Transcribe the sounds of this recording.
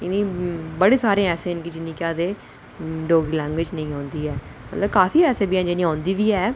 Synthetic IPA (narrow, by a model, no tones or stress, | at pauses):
ɪnĩːbəɽeːsaːɾẽːɛːsẽːɪnkiːd͡ʒɪnːĩːkaːd̪eː | ɖoːɡiːlɛ̃ːŋɡʋɪd͡ʒnə̃ĩːãːnd̪iːɛːmət̪ləb̚kaːfʰiːɛːsẽːbiːãːd͡ʒenĩːãːnd̪iːʋiːɛː